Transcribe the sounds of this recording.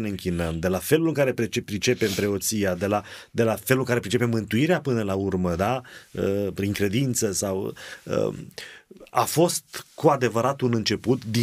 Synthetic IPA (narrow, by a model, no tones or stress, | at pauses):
ne̞ɨŋkʲinəmd̪e̞lafe̞lulɨŋkaɾe̞pepɾit͡ʃe̞pe̞mpɾe̞o̞t̪sijad̪e̞lad̪e̞lafelulɨŋkaɾe̞pɾit͡ʃe̞pe̞mːɨnt̪uiɾeapɨnəlaurməd̪aəpɾiŋkɾe̞d̪int̪səsawə̰ | a̰fo̞st̪kʰuad̪e̞vəɾat̪unɨnt͡ʃe̞put̪d̪i